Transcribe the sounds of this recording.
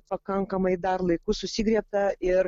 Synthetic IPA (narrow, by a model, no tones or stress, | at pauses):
pɐkɐŋkɐmɐɪd̪ɐɾlˠɐɪkʊsʊsʲiɡɾʲiɛp̚t̪ɐɪɾ